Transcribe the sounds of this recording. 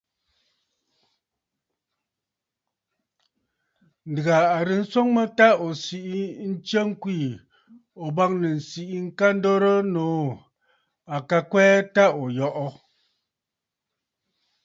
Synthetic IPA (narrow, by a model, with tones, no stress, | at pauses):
n̩˨dɣa˨a˨ɾi˨˦n̩˦so˦ŋmə˦ta˦o˨si˨ʔi˦n̩˦t͡ʃə˦ŋ˦kwiː˦˨ | o˨ba˦ŋ̚nə˨n̩˨si˦˨ʔi˦ŋ̩˦ka˦n̩˦do˦ɾə˦noː˨˦ | a˨ka˦kwɛː˦ta˦o˨jɔ˦ʔɔ˦